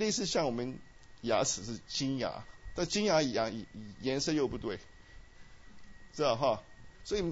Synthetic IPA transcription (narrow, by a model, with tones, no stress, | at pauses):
le˥˧ɪsɹ̩˥˧ɕjɑ˥˩ŋwɔ˨˩mə˦n | ja̰˧˥t͡sʰɹ̩˨˩ʂ̬ɻ̩˥˩t͡ɕi˥nja̰˧˥t̪a˥˧t͡ɕi˥ŋja˧˥i˨˩ja˥˩ŋi˨˩˨jɛ˧˥nsɤ˥˧jo˥˧ʊpu˧t̪we˥˩ɪ | t͡s̩˥˧˩ɦɑ˥˩swɔ˧˥i˨˩